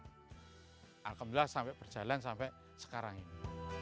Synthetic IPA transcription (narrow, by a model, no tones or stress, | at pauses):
ʔa̰lkəmilahsampɛʔpərd̥ʒ̥a̤lansampɛʔ | sə̥kaɾaŋini